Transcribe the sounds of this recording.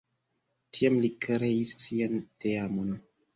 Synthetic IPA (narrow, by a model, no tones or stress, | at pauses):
tʰiamlikɾeissianteamon